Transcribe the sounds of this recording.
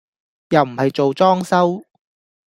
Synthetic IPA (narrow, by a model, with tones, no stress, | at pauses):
jɐ˨wm̩˨˩hɐ˨jt͡ʃo˨wt͡sɔː˥ŋsɐ˥w